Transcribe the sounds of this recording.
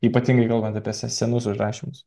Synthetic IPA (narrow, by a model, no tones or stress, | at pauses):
iːpɐt̪ʲiŋɡɐɪkɐlˠbɐnt̪ɐpʲiɛsʲɛsʲɛnʊsʊʒɾɑːʃʲimʊs